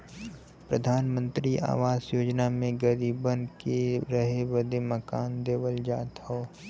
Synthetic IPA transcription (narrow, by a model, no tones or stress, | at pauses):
pɾəd̪ʱaːnmə̃nt̪ɾiʔa̰ːʋaːzjoːd͡ʒnamẽɡəɾiːbənkeɾəɦeʋəd̪eməkaːnd̪eːʋəld͡ʒaːt̪hoː